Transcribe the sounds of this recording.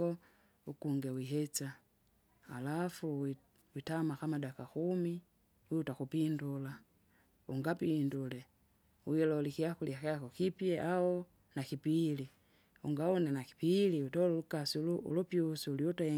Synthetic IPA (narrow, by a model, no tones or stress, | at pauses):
ɔ | ukuŋɡɛwiɦɛt͡ʃa | alafu | witamakamadakakumi | wiutakupindula | uŋɡapindulɛ | uilɔlikiakuliakaakɔkipjɛʔaɔ | nakipili | uŋɡaɔnɛnaki̥piliutɔlulukasiuluṵlupiusuliutaɛ